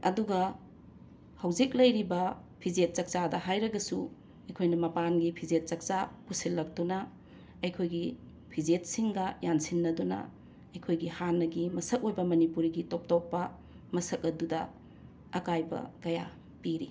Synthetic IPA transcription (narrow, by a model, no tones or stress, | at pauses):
ɐ̰duɡɐ | hɐwzik̚lɐjɾibɐ | pʰizet̚t͡ʃɐk̚t͡ʃadɐɦajɾɐɡɐsu | ɐjkʰojnɐmɐpanɡipʰizet̚sɐk̚t͡ʃapusilːɐk̚tunɐ | ɐjkʰojɡi | pʰizet̚siŋɡɐjansinːɐdunɐ̰ | ɐjkʰojɡihanːɐɡimɐsɐk̚ojbɐmɐnipuɾiɡitop̚topːɐ | mɐsɐkɐdudɐ | ɐkajbɐ̰kɐja | piɾḭ